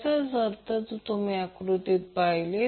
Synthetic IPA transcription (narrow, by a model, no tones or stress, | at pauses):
sasəɾt̪ət͡st̪umiakɾut̪it̪̚paɦle